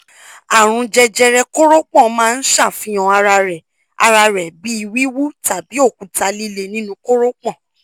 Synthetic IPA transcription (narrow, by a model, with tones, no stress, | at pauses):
a˨ɾ̃ũ˧d͡ʒɛ˧d͡ʒɛ˧ɾɛ˧ko˦ɾo˦k͡pɔ̃˦˨mãː˦˧n̩˦ʃa˦˨fĩ˦j̃ɔ̃˧ɾa˧ɾɛ˨ | a˧ɾa˧ɾɛ˨bi˨˦i˧wi˦wu˦ta˨bi˨˦o˦˨ku˨ta˧li˦le˧nĩ˦nũ˧ko˦ɾo˦k͡pɔ̃˦˨